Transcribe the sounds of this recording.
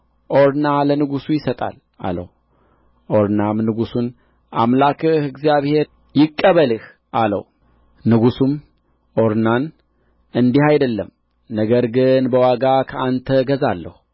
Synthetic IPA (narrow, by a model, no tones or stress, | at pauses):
ʔo̞ɾnalənɨɡusujɪsət̪ʼa̰l | a̰lə̰h | ʔo̞ɾnamnɨɡusun | ʔamlakʰɨhɨɡzijaβhe̞ɾ | jɪkʼːəβəlɨh | ʔalə̰w | nɨɡusum | ʔo̞ɾnan | ɨnd̪ihajd̪əlːəm | nəɡəɾɡɨnbəwaɡakʰəʔant̪ʰəɡəzalːə̰hu